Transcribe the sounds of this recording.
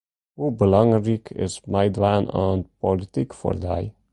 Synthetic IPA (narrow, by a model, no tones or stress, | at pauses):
huːbəlɔ̃ŋɾikʰɪ̰zmaɪd̪ʋanã̰npɔlɪt̪ikfɔ̰ɾd̪aj